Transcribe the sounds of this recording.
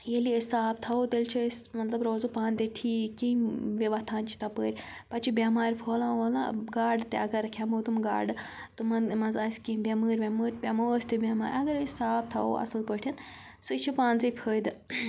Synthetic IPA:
jeliesaːbt̪ʰɐot̪elʲt͡ʃʰiesʲmɐt̪lɐbɾoːzopaːnd̪eʈʰiːkːiʋʲɐʋɐst̪ʰaːnt͡ʃʰi̥t̪ɐpəːɾʲ | pɐt͡ʃʰibʲɐmaːɾʲpʰoːlãːʋɐːlã̰ɡaːɖt̪eɐɡɐɾkʰʲɐmoːt̪umɡa̰ːɖɨ | t̪umɐnmɐnzɐːsʲkĩbʲɐməːɾʲbʲɐmɨːɾʲpʲɐmosʲt̪ibʲama̰ːɾʲɐɡɐɾesaːb̚t̪ʰɐo̰ʔɐ̰sɨlpəʈʰʲɐn | sɨit͡ʃʰipaːnzipʰəːjd̪ɨ

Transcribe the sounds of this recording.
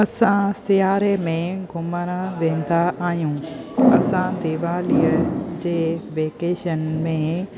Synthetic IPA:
ɐsãsɪjaːɾemẽɡʱʊməɾəʋẽːn̆d̪aaːɦijũɐsãd̪eːʋaːlijəd͡ʑeːʋeːkeːʃənmẽ

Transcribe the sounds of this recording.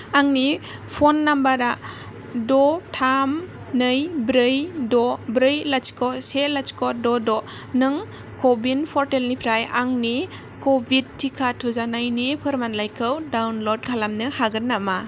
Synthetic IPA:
aŋnipʰonːambaɾa | dɔtʰam | nɯjbɾɯjdɔbɾɯjlat͡ʃi̥kʰɔselat͡ʃi̥kɔdɔdɔ | nɯŋ | kobinpʰɔɾtelnipʰɾajaŋni | kobʱid̚tʰːikʰatʰuzanajnipʰɯɾmanlajkʰɯwdawnlod̚kʰalamnɯhaɡɯnːama

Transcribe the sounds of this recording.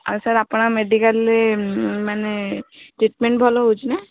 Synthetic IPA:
a̰ɾsaɾapnameɖikalemaneʈɾiʈmeɳʈ̚bʱɔlɔɦut͡ʃʰnɛ

